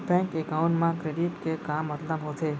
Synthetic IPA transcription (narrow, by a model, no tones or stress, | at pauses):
bɛ̃ŋkekaũɳʈmãkɾeɖiʈkekamːət̪ləmɦot̪ʰe